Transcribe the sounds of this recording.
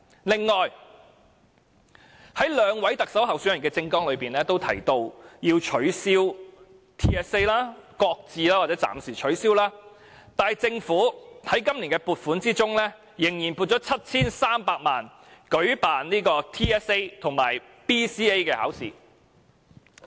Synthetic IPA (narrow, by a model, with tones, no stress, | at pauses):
lɪ˨ŋːɔː˨j | hɐ˨˥jlœː˨˧ŋwɐ˨˥jt̪ɐ˨k̚sɐ˨˥wɦɐ˨wsyː˨˥njɐ˨nkɛː˧t͡sɪ˧ŋkɔː˥ŋlɵ˨˧ɥpiː˨nɛː˥t̪o˥wt̪ʰɐ̰˨˩jt̪o˧wjiː˧wt͡ʃʰɵ˨˥ɥsiː˥w | t̪ʰiː˥ɛː˥se˥jlaː˥kɔː˧k̚t͡siː˧laː˥waː˨t͡sɛ˨˥t͡sa̰ː˨msiː˨˩t͡ʃʰɵ˨˥ɥsiː˥wlaː˥ | t̪aː˨jt͡sɪ˧ŋfuː˨˥hɐ˨˥jkɐ˥mli˨˩nkɛː˧puː˨˧t̚fuː˨˥nt͡siː˥t͡sʊ˥ŋlɛː˥ | jɪ˨˩ŋjiː˨˩npu˧t̚t͡sɔː˨˥t͡sʰɐ˥t̚t͡sʰiː˥nsaː˥mpaː˧k̚maː˨n | kɵ˨˥ɥpaː˨nniː˥kɔː˧t̪ʰiː˥ɛː˥se˥jt̪ʰʊ˨˩ŋmaː˨˩j | piː˥siː˥e˥jkɛː˧ha̰ː˨˥wsḭː˨˩